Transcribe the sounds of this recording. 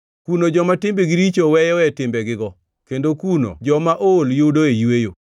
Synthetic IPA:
kunod͡ʒɔmatɪmbeɡiɾit͡ʃowɛjɔɛtɪmbɛɡɪɡɔ | kendokuno̰d͡ʒɔmaʔoljodoejwejo

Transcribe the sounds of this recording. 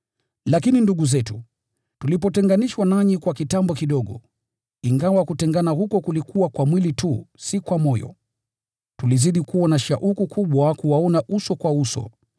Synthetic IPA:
lakininduɠuzɛtu | tulipɔtɛŋɡaniʃwanaɲikwakitambɔkiɗɔɠɔ̰ | iŋɡawakutɛŋɡanahukɔkulikuwakwamwilitusikwamɔjɔ̰ | tuliziɗikuanaʃaʔukukʰuɓwakuwaɔnaʔusɔkwausɔ̰

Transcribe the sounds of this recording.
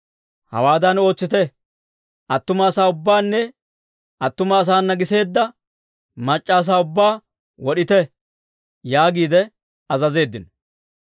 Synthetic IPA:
hɐ̰waːd̪ɐno̞ːt͡sːɪt̪ɛ | ɐt̪ːʊmɐːsaːʊbːaːnːɛ | ɐt̪ːʊmɐːs̬aːnːɐɡɪse̞ːd̪ːɐ | mɐt͡ʃʼːaːs̬aːʊbːaː | wɔɗɪt̪ɛ | jaːɡiːd̪ɛ | ɐzɐze̞ːd̪ːɪn

